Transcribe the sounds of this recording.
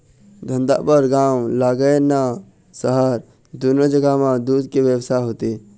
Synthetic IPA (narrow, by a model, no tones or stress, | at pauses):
d̪ʱə̃nd̪a̰pəɾɡãːwlaːɡəena | səɦaɾ | d̪unod͡ʒəɡamãd̪uːd̪̚keʋewsaɦot̪e